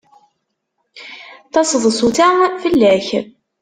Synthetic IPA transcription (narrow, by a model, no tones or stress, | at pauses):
t̪ɑsəðˤsut̪æfəlːæç